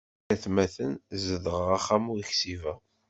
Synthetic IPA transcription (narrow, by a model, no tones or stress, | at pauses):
æθmæθənzəðəʁəʁaχːæmuiçsivæ